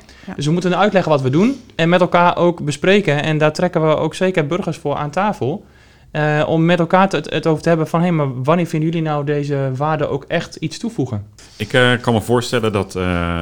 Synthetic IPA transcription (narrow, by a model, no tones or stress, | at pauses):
døsʋəmutənœɥtlɛɣənʋɔtʋədunɛnmɛtɛlˠkaːʔoːkbəspreːkəɛndatrɛkəʋəo̰ːkseːkərbørɣərsfʊːraːntaːfəlˠ | ɔmːɛtɛlˠkaːətowvərtəɦɛbəfɔnɦejnmarʋanɪːfɪndəjølinawdeːzəʋaːdəʔowkɛxtitstufuɣən | ɪkkɔnməvoːɹstɛləndɔt